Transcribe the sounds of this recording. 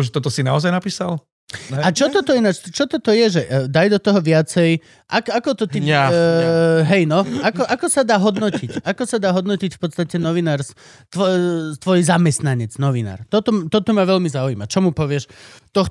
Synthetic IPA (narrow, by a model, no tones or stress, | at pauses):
ʒɛt̪ɔt̪ɔsina̰ɔzajnapiːsal | at͡ʃɔt̪ɔt̪ɔinat͡ʃt͡ʃɔt̪ɔt̪ɔjɛʒɛʔd̪ajd̪ɔt̪ɔɦɔʋɪat͡sɛj | ʔakakɔt̪ɔt̪i | ɦɛjnɔakɔʔakɔsad̪aːɦɔd̪nɔcicʔakɔsad̪aːɦɔd̪nɔcicfpɔt̪st̪acɛnɔʋinaːɾs | t̪ʋɔt̪ʋɔjzamɛst̪naɲɛd͡znɔʋina̰ːɾt̪ɔt̪ɔt̪ɔt̪ɔmaʋɛʎmizauimat͡ʃɔmupɔʋɪɛʃt̪ɔx